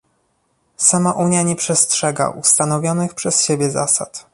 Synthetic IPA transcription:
samaʔuɲjaɲɛpʂɛstʂɛɡa̰ʔust̪anɔvʲjɔnɘxpʂɛsɕebʲjɛza̰sa̰t̪

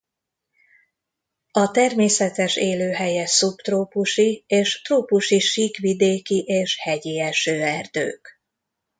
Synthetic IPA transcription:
ɒt̪ɛrmeːsɛt̪ɛʃeːløːɦɛjɛsupt̪roːpuʃieːʃt̪roːpuʃiʃikʋid̪eːkiʔeːʃhɛɟiɛʃøːɛrd̪ø̰ːk

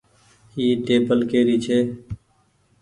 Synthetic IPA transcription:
hiːʈeːbəlkeːɾiːt͡ʃʰeː

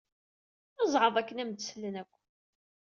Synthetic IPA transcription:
ɑzˤʕəðˤækːənæmd̪slənækʷː

